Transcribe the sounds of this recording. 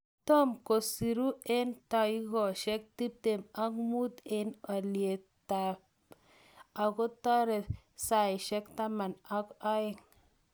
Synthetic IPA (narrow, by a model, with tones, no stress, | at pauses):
t̪o˦mko˨si˨ɾu˦e˦nta˨i˦ɡo˨ʃe˦k̚ti˦p̚te˨ma˦kmu˦t̪e˦na˨li˨e˨ | ta˨b | a˨ɡo˦ta˦ɾe˨sa˦i˨ʃe˦kta˦ma˨na˦ka˦e˦ŋ